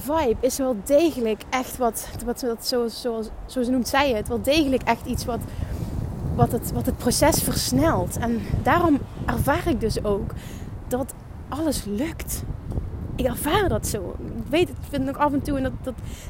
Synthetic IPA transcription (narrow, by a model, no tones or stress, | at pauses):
vɑjpɪsʋɛlˠdejɣələkɛxtʋɑtʋɑttsoowɑszosnumtsɛjətʋɛlˠdejɣələkɛxtitsʋɑt | ʋɑtətʋɑtɦət̚prosɛsfəɹsnɛlˠtɛndaːrɔmʔɛɹvaːrɪɡ̚dɵsowk | d̥ɑt | ʔɑləslɵkt | ɪkɛɹv̥aːrdɑtsowɪkʋejtɪfɪntnɔχɑfɛntuɛndɑtd̥ɑt